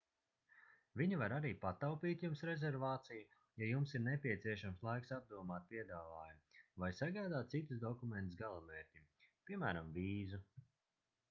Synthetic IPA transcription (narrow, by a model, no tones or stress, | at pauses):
viɲuvaɾaɾiːpat̪awpiːt̪jumsɾɛzɛɾvaːt̪siju | jajumsiɾnɛpʲiɛt̪siɛʃamslˠajksab̚d̪uɔmaːt̪̚pʲiɛd̪aːvaːjumvajsaɡajd̪aːt̪̚t̪sit̪usd̪ɔkumɛnt̪usɡalˠamɛːɾt̪ʲimpʲiɛmæːɾamviːzu